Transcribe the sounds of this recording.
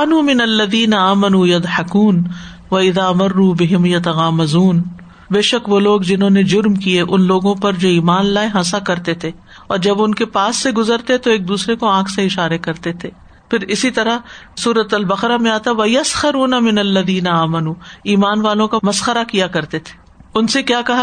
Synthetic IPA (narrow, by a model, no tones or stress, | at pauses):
anuːmɪnɐlːɐðiːnɐaːmɐnuːjɐd̪ˤħɐkuːn | ʋɐɪðaːɐmɐrːuːbɪɦɪmjɐt̪ɐɣaːmɐzuːn | beːʃɐkʋoːloːɡd͡ʒɪnɦõːned͡ʒʊɾmkieʔʊnloːɡõpɐɾd͡ʒoːiːmaːnlaːeɦãsakɐɾt̪et̪ʰeː | ɔːɾd͡ʒɐbʊnkepaːsːeɡʊzəɾt̪et̪oeːk̚d̪uːsɾekoãːkʰseɪʃaːɾekɐɾt̪et̪ʰeː | fɪɾɪsit̪ɐɾasuːɾət̪ɐlbɐqɾamẽaːt̪aʋɐjɐsxɐɾuːnamɪnɐlːɐðiːnɐaːmɐnuːiːmaːnʋaːlõkamɐsxəɾakijakɐɾt̪et̪ʰe̥ː | ʊnsekjaːkɐɦa